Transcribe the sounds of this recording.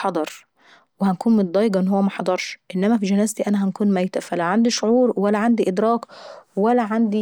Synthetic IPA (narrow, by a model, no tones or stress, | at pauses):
ħɑd̪ˤɑɾˤ | wehænkuːnmot̪̚d̪ˤɑːjːeɡɑʔenːhowːæmæħɑd̪ˤɑɾˤʃʔenːæmæfid͡ʒænæːzt̪iʔænæɦænkuːnmæjt̪æfælæwʕand̪iʃoʕuːɾwælːæʕand̪iʔed̪ɾˤɑːkwælːæʕand̪i